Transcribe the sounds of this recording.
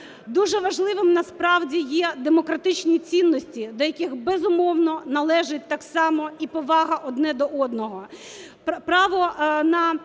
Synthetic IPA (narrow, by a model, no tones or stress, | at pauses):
d̪uʒɛʋɐʒlˠɪʋɪmnɐspɾɑwdʲijɛd̪emɔkɾɐt̪ɪt͡ʃnʲit͡sʲinːɔsʲtʲid̪ɔjɐkʲɪxbɛzʊmɔwnɔnɐlˠɛʒɪt̚ʲt̪ɑksɑmɔipɔʋɑɦɐʔɔd̪nɛd̪ɔʔɔd̪nɔɦɔ | pɾɑʋɔnɐ